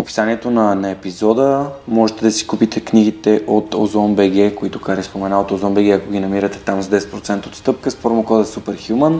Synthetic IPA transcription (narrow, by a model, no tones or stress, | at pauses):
opi̥saniɛt̪onɐnɐɛpizɔd̪əmɔʒɛt̪ɛd̪ɐsi̥kupit̪ɛkniɡit̪ɛʔot̪o̰zɔnbɛɡɛkoit̪okaɾispomɛnaot̪ozɔmbɛɡ̟ɛɐkoɡ̟ʲinɐmiɾət̪ɛ̥t̪amzd̪ɛsɛt̪pɾot̪sɛnt̪əot̪st̪ɤp̚kəspoɾomokɔd̪ɛsupɛɾxjumən